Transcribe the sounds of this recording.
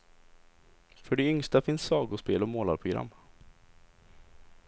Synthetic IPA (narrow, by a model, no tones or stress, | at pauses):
fœɖɛʏŋst̪afɪnsːɑːɡʊʂpeːlɔmoːla̰ɾpʰɾʊɡɾa̰mː